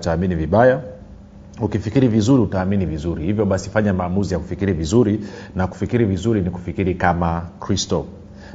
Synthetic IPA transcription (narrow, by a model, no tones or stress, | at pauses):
taːminiviɓaja | ukifikiɾivizuɾiutaːminivizuɾihivjɔɓasi̥faɲamaːmuzijaku̥fikiɾivizuɾinaku̥fikiɾivizuɾiniku̥fikiɾikamakɾistɔ